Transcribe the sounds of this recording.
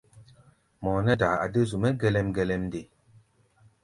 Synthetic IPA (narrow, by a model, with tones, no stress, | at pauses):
mɔ˨nɛ˦da˨a˨də˦zu˨mɛ˦ɡɛ˦lɛ˦mɡɛ˦lɛ˦mde˨